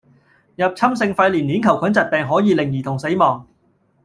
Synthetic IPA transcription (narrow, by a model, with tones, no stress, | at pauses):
jɐ˨p̚t͡sʰɐ˥msɪ˧ŋfɐ˧jliː˨˩niː˨˥nkʰɐ˨˩wkʰɐ˨˥nt͡sɐ˨t̚pɛː˨ŋɦɔː˨˥jiː˨˧lɪ˨˩ŋjiː˨t̪ʰʊ˨˩ŋse˨˥jmɔː˨˩ŋ